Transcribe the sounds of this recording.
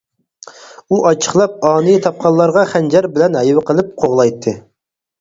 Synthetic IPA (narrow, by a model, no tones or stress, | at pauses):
uʔɑt͡ʃʰəχlˠɑp̚ɑːnɨjɪt̪ʰɑp̚qʰɑlˠːɑɾʁɑχɛnd͡ʒɛɾbɪlɛnɛjwɨqʰəlˠɨp̚qʰoʁlˠɑjt̪ʰːɨ